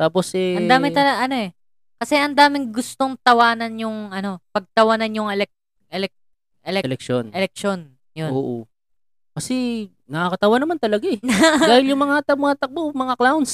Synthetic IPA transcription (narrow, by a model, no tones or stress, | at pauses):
t̪aːp̬osʔɛɐnd̪aːmɪt̪ɐlɐɡʔɐno̞ʔɛ | kɐsɛʔɐnd̪aːmɪŋɡʊst̪o̞ŋt̪ɐwaːnɐnjʊŋʔɐno̞pɐɡ̚t̪ɐwanɐnjʊŋɛlɛk̚ | ʔɛlɛk̚ | ʔɛlɛlɛkʃonʔɛlɛk̚ʃo̞n | jonoːʔo̰ | kɐsɛ | nɐakɐt̪ɐwanɐmant̪ɐlɐɡaɛdaːhɪljʊŋmɐŋat̪ɐmɐŋat̪ɐk̚bomɐŋaklawns